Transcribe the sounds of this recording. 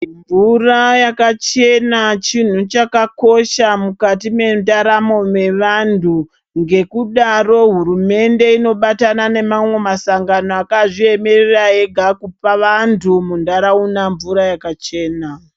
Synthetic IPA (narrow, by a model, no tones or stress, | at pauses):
ɱvurajakat͡ʃe̞nat͡ʃin̤ut͡ʃakako̞ʃamukatime̞ndaɾamo̞me̞ʋandʱu | ŋɡe̞kuɗaro̞ɦuɾume̞nde̞ino̞ɓatanane̞mamwe̞masaŋɡanoakaʐie̞me̞rerae̞ɡʱakupaʋantʰumundaɾaunaɱvuɾajakat͡ʃe̞ːna